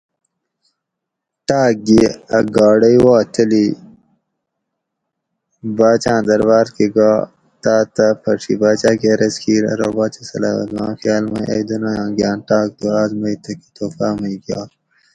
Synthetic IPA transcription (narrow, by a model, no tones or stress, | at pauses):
ʈaːk̚ɡiɐɡaːɽɐiwaːt͡ʃɐli | baːt͡ʃãːd̪ɐɾbaːɾkiɡaː | t̪aːt̪ɐpʰɐʂḭbaːt͡ʃãːkeɐɾɐskʰiːɾɐ̰ɾoːbaːt͡ʃɐsɐ̰la̰ːɐ̰zmã̰ːxjaːlmãʔɐ̰d̪unaːjãːɡjãːnʈaːk̚d̪uaːzmɐit̪ɐki̥t̪oːfaːmɐiɡjaː